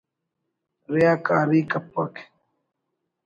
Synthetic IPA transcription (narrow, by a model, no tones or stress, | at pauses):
ɾejaːkaːɾiːkɐpːɐkʰ